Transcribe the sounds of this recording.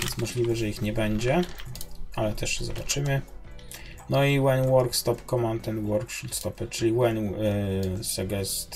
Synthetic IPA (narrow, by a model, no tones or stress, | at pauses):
vʲjɛ̰nsmɔʐlʲivɘʐɛixɲɛbɛɲd͡ʑɛ | alɛt̪ʰɛʂɛzɔbat͡ʂɘmɘ | nɔiwaɲwɔɾkst̪ɔpkɔmant̪ɛnt̪wɔɾkʂut̪st̪ɔpɘt͡ʂɘlʲiwan | sɛɡɛst̪